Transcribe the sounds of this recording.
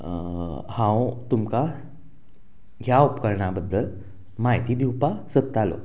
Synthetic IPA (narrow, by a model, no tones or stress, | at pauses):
hãwt̪umka | ɡjaupkəɾɳabəd̪ʱːəl | majt̪iːd̪ʱiwpasət̪ːalo̰